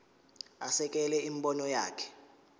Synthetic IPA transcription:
asɛk̬ʼɛlɛim̩ɓɔnɔja̰ːkʰɛ̥

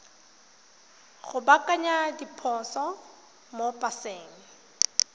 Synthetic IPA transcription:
ɣʊbakʼaɲadipʰɔsɔ | mopʼaseːŋ̩

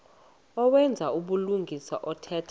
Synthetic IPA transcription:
ɔwɛnd͡zʱauɓuluŋɡʱisa̰ʔɔtʰɛːtʰḁ

